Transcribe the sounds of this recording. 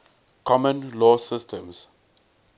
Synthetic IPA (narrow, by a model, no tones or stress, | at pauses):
kʰɔmə̃nlɔsɪstʰə̃ms